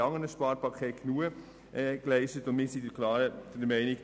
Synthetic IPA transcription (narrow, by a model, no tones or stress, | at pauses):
ɑŋənəʃpɑːɾpʰɑkʰeːtɡ̥nuə | ɛklɛɪʃtətʊnmɪːsidəklɑːɾəd̥ɛɾmɛɪnɪk